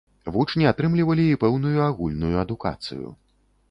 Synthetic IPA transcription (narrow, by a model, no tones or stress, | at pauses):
vut͡ʂnʲiat̪ɾɨmlʲivɐlʲiipɛwnujuaɣulʲnujuɐd̪uka̰t̪sɨ̰jṵ